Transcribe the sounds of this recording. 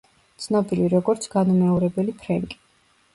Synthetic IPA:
t̪sʰnɔbiɾiɾɔɡɔɾt̪sʰɡ̥anumɛɔɾɛbɛlipʰɾɛŋkʼi̥

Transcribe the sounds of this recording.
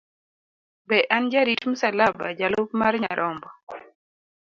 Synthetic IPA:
bɛʔand͡ʒaɾitmusalaba̰d͡ʒalʊpmarɲa̰ɾʔɔmbɔ

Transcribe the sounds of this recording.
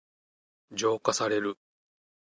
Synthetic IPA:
d͡ʑo̞ːkasaɾe̞ɾɯ̟

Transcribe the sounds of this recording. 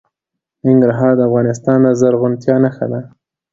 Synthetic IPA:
nɪŋɡɾaɦɑɾd̪əafɣɑnɪs̬t̪ɑnd̪əzaɾɣʊnt̪jɑnaxa̰d̪a

